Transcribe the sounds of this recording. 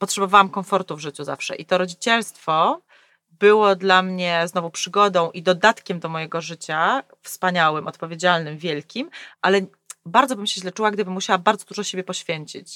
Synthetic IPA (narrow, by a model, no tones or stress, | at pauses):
pɔt̪ʂɛbɔvawamkɔnfɔɾt̪uvʐɘt͡ɕuza̰fʂɛ̰ʔit̪ɔɾɔd͡ʑit͡ɕɛlst̪fɔ | bɘwɔd̪lamɲɛznɔvupʂɘɡɔd̪ɔ̃w̃ʔid̪ɔd̪at̪kʲɛmd̪ɔmɔjɛɡɔʐɘt͡ɕa | fspaɲawɘmɔt̪̚pɔvʲjed͡ʑalnɘmvʲjɛlkʲimʔalɛ | baɾd̪zɔbɘmɕɛʑlɛt͡ʂuwaɡd̪ɘbɘmːuɕawabaɾd̪zɔd̪uʐɔɕebʲjɛpɔɕfʲjeɲt͡ɕit͡ɕ